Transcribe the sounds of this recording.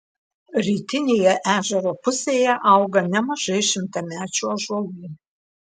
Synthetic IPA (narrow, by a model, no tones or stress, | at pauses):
ɾʲiːt̪ʲɪnʲeːjɛʔæːʒʲɛɾoːpʊsʲeːjɛʔɐˑʊɡɐnʲɛmɐʒɐɪʃʲɪmt̪ɐmʲæːt͡ʃʲuɐʒoːɡʲuː